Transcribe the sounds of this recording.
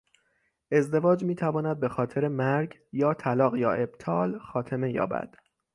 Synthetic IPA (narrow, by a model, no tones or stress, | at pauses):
ʔe̞zd̪e̞vɒːd͡ʒmiːt̪ʰævɒːnæd̪̚be̞xɒːt̪ʰe̞ɾe̞mæɾɡ | jɒːt̪ʰælɒːɣjɒːʔe̞b̥̚t̪ʰɒːlxɒːt̪ʰe̞me̞jɒ̰ːbæ̰d̪̥